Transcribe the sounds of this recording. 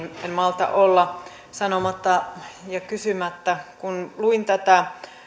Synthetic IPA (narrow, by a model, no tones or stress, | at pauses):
nenmɑlt̪ɑ̰ʔolːɑ | sɑnomɑt̪ːɑjɑkysymæt̪ːækunluint̪æt̪æ